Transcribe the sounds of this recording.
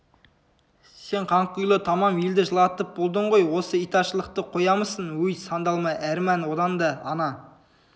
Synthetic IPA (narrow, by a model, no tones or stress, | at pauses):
se̞ɴqʰɑɴqujlˠət̪ʰɑmɑmeld̪ɪʒəlˠɑt̪əp̚bo̞lˠd̪əɴʁo̞jwo̞səijt̪ɑʃəlˠəq̚t̪əqʰo̞jɑməsənwɵjsɑnd̪ɑlˠmɑʔæɾmænwo̞d̪ɑnd̪ɑːnɑ